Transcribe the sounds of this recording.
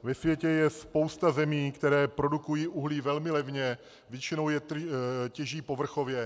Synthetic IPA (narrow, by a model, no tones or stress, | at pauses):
vɛsvjɛcɛjɛspo̞wst̪azɛmiːkt̪ɛɾɛːpɾo̞dukujiːʔuɦliːvɛlmɪlɛvɲɛ | vjɛt͡ʃɪno̞wjɛt̪cɛʒiːpo̞vr̩xo̞vjɛ